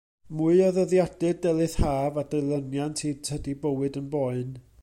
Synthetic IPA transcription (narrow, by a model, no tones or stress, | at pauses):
muɨɔðəðjad̥ɨddɛlˠɨθhaːvadejlˠənjantʰiːdʰhədibəwɨdənbɔɨn